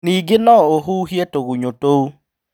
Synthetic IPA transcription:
niɡenɔoɦuɦjetoɣuɲotou

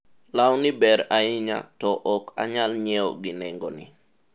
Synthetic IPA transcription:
lawnɪbɛɾaɪɲa̰tɔʔɔka̰ɲalɲɛɔɡɪnɛŋɡɔ̰nɪ̰

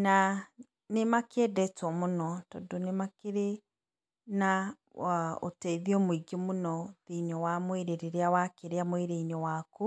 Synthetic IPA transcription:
na | nemakɛdɛtwɔmunɔtɔ̰donemakeɾe | na | o̰tɛiðiɔmwiɡemʊnɔðiɲɔwamweɾeɾeɾeawakeɾeamweɾeiɲɔwaku

